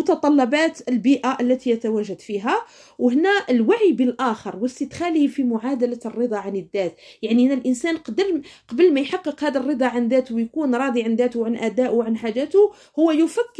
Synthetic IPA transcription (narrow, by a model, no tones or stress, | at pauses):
ʊt̪ɑt̪ˤɑlːɑbæːt̪əlbiːʔaʔəlːæt̪ijæt̪æwæʒad̪fiɦæ | whnæʔəlwaʕibəlʔæːxəɾˤwəsit̪xælifimʊʕad̪alarːɨd̪ˤɑʕanəd̪ːæːt̪jaʕnihnːælʔənsæːnqɑd̪əɾqɑbəlmæjħɑqːəqhæd̪ərˤːɨd̪ˤɑʕand̪æːt̪wjkuːnɾˤɑːd̪ˤiʕand̪æt̪ʊwʕanʔæd̪æːʔwʕanħaʒæt̪ʊ | hʊwːæjʊfækː